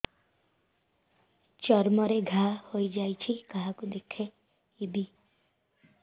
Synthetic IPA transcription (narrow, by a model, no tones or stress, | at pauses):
t͡ʃɔɾmɔɾeɡʱahojd͡ʒajt͡ʃʰikaɦakud̪ekʰe | ibi